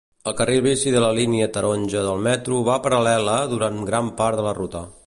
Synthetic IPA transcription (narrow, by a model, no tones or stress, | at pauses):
əlˠkəreβisiðələliniət̪əɾonʲʒəðəlˠmɛt̪ɾuβapəɾəlɛləðuɾanɡɾampaɾt̪ðələrut̪ə